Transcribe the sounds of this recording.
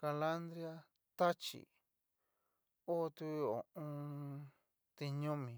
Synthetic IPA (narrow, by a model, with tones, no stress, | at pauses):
ka˧la˦nd̪ɾi˦a˦˧ | t̪a˦t͡ʃḭ˨ | o˦˧t̪u˧o̰˨ʔõ˧ | t̪i˧ɲõ˦mĩ˨